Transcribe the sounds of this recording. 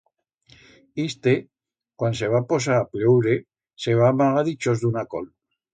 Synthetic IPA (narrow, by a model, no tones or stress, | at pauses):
ist̪e | kwanseβ̞apos̬aːpleuɾe | seβ̞amaɣaðit͡ʃozðunako̰l